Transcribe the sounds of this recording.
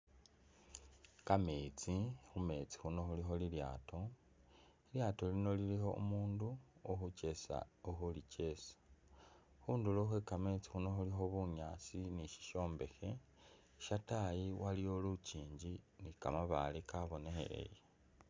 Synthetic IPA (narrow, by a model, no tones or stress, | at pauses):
kamet͡sixume̞t͡si̥xuno̞xulixo̞lilja̰ːto̞ | iljaːto̞lino̞lilixo̞ṵmuːnduoxuce̞sa̰uxulice̞ːsḁ | xuːnduloxwekamet͡si̥xuno̞xulixo̞βuɲaːt͡siniʃi̥ʃo̞ːmbe̞xe̞ | ʃatajiwalijo̞luciːɲɟinikamaβa̰likaβo̞ne̞xe̞̰le̞̰je